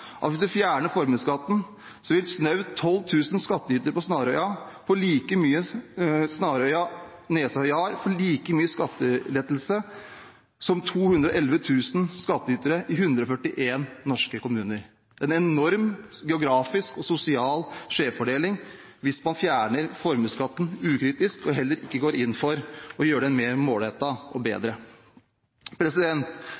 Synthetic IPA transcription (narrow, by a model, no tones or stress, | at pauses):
ʔɑ̰t̪ʋɪsd̪ʉfjæːɳəfɔɾmʉskɑt̪ːn̩ | sɔʋɪlsnœʉt̪ʰːɔlːt̪ʰʉːsnskɑt̪ːəyːt̪əɾəpɔsnɑːɾœʏɑpʰɔɭiːkəmyːəsnɑːɾœʏɑ | neːshœʏɑɾfɔɭiːkəmyːəskɑt̪ːəlɛd̪l̩sə | sɔmt̪ʰuːhʉnd̪ɾɔʔɛlʋət̪ʰʉːsn̩skɑt̪ːəyːt̪əɾəʔɪɦʉnd̪ɾəɔfœʈːɪʔeːnːɔʂkəkʊmʉːnəɾ | ɛnɛnɔɾmɡɛʊɡɾɑːfɪskɔsʊsɪɑːlʂeːffɔɖeːlɪŋ | ʋɪsmɑnfjæːɳəɾfɔɾməskɑt̪ːn̩ʉːkʰɾiːt̪ɪskɔɦɛlːəɾɪkːəɡoːɾɪnːfɔɾɔjøːɖɛnmeːɾmoːlheːt̪ɑʔɔbḛːd̪ɾə | pʰɾɛsɪd̪ɛnt̪